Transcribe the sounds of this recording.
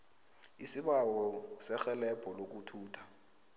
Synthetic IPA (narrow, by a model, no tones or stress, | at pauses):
isiɓawɔsɛxɛlɛpʰɔlok̬ʼutʰuːtʰa